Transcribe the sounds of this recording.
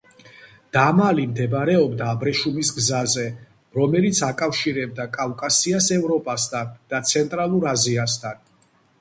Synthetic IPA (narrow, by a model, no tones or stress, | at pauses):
d̪̥amalimd̪ɛbɾɛɔbd̪aːbɾɛʃumisɡzazɛ | ɾɔmɛlit̪sʰakʼafʃiɾɛb̚d̪akʼavkʼasiasɛvɾɔpʼast̪ʰand̪̥at̪sʰɛnt̪ʼɾalˠuɾaziast̪ʰan